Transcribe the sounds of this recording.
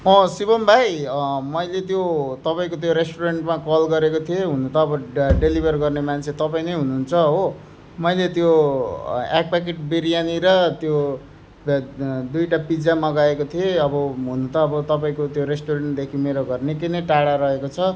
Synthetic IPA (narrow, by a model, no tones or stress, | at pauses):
mʌsibʌmbʱajmʌjlet̪̬jot̪ʌpaĩkot̪̬joɾesʈoɾeɳʈmakʌlɡʌɾekot̪ʰieɦunut̪ʌːbʌɖelibʱʌrɡʌrnemant͡sʰet̪ʌpaĩnʌjɦunuɦnt͡sʰʌɦo | mʌjlet̪jo | ak̚pak̬eʈ̚beɾijaniɾʌt̪jo | d̪ujʈapid͡zamʌɡaekot̪ʰieʌbʌɦunut̪ʌːbʌt̪ʌpaĩkot̪joɾesʈoɾeɳʈ̚d̪ekʰimeɾoɡʌrnekinʌjʈaɽaɾʌekot͡sʰʌ